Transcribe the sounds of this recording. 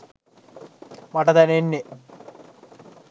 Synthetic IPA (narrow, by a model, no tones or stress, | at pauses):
mɐʈɐt̪ɐnenːe